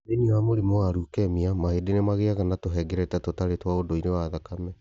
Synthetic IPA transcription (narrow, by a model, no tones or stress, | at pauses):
enioamoɾimoaɾukɛmiamaedenemaɣeaɣanatoɦɛːɡɛɾɛtatotaɾetwaodoinewaðakamɛ